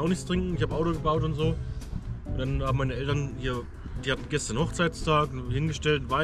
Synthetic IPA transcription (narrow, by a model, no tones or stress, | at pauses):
aʊxnɪçt͡stʁ̥ɪŋkŋ̩ɪçhaːbəʔaʊtoːɡəbaʊtʊntz̥oː | ʔʊntd̥anhaːbm̩aɪnəʔɛltɐnhiːɐ | d̥iːhatn̩ɡɛstɐnhɔχt͡saɪstʰaːkhɪnɡəʃtɛltvaɪ